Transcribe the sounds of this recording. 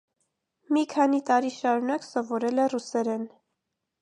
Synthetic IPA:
mikʰɑnit̪ɑɾiʃɑɾunɑksɔvɔɾɛlɛrusɛɾɛn

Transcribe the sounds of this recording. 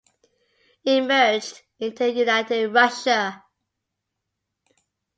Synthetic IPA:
ɪ̃mɜ˞d͡ʒd | ɪ̃ntɨjʉnaɪtɪɹʌʃə

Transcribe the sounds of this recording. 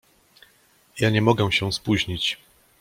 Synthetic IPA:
jaɲɛmɔɡɛw̃ɕɛw̃spuʑɲit͡ɕ

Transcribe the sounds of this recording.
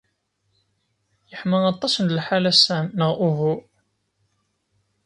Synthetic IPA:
jəħməɑt̪ˤːɑsənd̪əlħalæsænːəʁʔuvu

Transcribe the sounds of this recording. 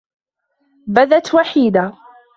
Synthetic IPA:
baðat̪waħiːd̪a

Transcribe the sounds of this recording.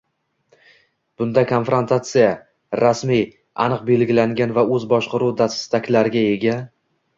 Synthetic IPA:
b̥ʊnd̪akʰonfɾont̪ʰat̪sɨja | ɾasmij | ʔa̰nɨq̚be̞lɡʲɪlaŋɡʲanvaɵzbɒʃqɑɾuwd̪ast̪akʲlaɾɪɡʲae̞ɡʲa

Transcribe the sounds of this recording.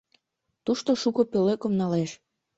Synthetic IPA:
t̪uʃt̪oʃukopøløkə̆mnɑleʃ

